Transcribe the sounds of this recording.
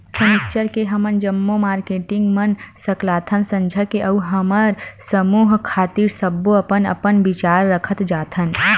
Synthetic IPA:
səmikt͡ʃəɾkeɦəmənd͡ʒəmːomaːɾkeːʈɪ̃ŋɡmənsəklaːt̪ʰənsə̃nd͡ʒʱəkeʔɐuɦəməɾsəmuːɦkʰaːt̪iːɾsəbːoɐpənə̰pənbɪt͡ʃaːɾːəkʰət̪d͡ʒaːt̪ʰən

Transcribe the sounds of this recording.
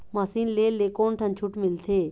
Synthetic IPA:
mɐsiːnleːlːekoːnʈʰɐ̃nt͡ʃʰuʈmɪlt̪ʰeː

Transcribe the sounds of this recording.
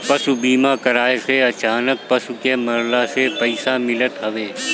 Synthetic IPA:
pɐsubiːmakəɾaːeseɐt͡ʃaːnək̚pɐsukemɐɾlasepɐɪsamɪlət̪ɦɐʋeː

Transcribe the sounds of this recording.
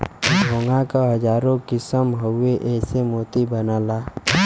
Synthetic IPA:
bʱoːŋɡakaɦəd͡ʒaːɾõkɪsəmɦəʊeʔɛːsemoːt̪ibənaːlaː

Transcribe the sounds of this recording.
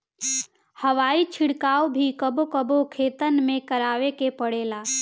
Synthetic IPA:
həʋait͡ʃʰiɽkaːobʱikəbokəbokʰet̪ənmẽkəɾaʋekepəɽela

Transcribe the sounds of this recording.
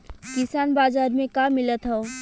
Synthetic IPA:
kisanbazaɾmẽkamilət̪ɦəʊ

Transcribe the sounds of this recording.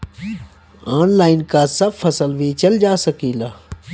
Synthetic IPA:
aːnlaːɪnkaːsɐb̚fɐsəlʋiːt͡ʃɐld͡ʒaːsəkiːlaː

